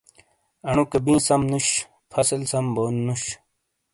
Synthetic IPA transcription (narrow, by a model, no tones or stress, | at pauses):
ɐɳukɐbĩːsɐmnuɕ | pʰɐselsɐmboːnːuɕ